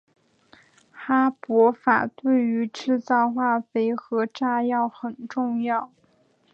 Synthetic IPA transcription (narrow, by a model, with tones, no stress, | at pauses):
xa˥pwɔ˧˥fa̰˨˩t̪we˥˩ɪy˧˥ʈ͡ʂɻ̩˥˧t͡sɑ˥˧ʊxwa˥˩fe˧˥ɪxɤ˧˥ʈ͡ʂa˥˧jɑ˥˩ʊxə˨˩nʈ͡ʂʊ˥˧ŋjɑ˥˩ʊ